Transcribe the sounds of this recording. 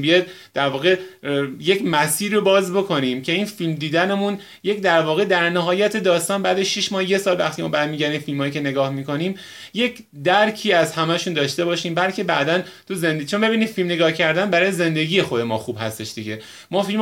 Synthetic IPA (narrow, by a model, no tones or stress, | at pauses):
mbijɒjd̪̚d̪̥æɾvɒːɣejecmæsiːɾiobɒːzbo̞kʰo̞niːmcʰe̞iːnfilmd̪iːd̪ænemun | je̞cd̪æɾvɒːɣe̞d̪æɾnæɦɒːjæt̪ʰe̞d̪ɒːst̪ɒːnbæːd̪eʃiʃmɒːhje̞sɒːlvæ̰xt̪imɒ̰ːbæd̪miːɟæɾd̪imfilmhɒːjice̞ne̞ɡɒːhmiːko̞niːm | je̞c | d̪æɾcʰiːæzhæmæʃund̪ɒːʃt̪e̞bɒːʃiːmbælcʰe̞bæʔd̪æn | t̪ʰuzend̪t͡ʃʰonbe̞βiːniːd̪̥filmne̞ɡɒːhcʰæɾd̪ænbæɾɒːjeze̞nd̪e̞ɟiːje̞xo̞d̪e̞mɒ̰ːxub̥hæst̪e̞ʃd̪iɟe̞ | mɒːfilm